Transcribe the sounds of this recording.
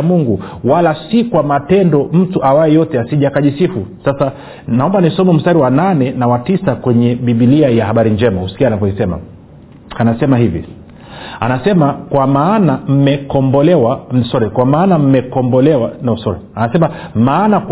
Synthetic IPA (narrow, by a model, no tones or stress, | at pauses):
muŋɡuwalasikwamatɛndɔm̩tuʔawaɛjɔtɛasiʄakaʄisifusasa | naɔmbanisɔmɛm̩staɾiwananɛnawatisakwɛɲɛɓiɓiliajahaɓaɾiɲd͡ʒɛmahusi̥kianakwaisɛma̰ | anasɛmaɦivḭ | a̰nasɛmakwamaːnam̩mɛkɔmbɔlɛwasɔɾɛkwamaːnam̩mɛkɔmbɔlɛwanausɔɾɛanasɛmamaːnak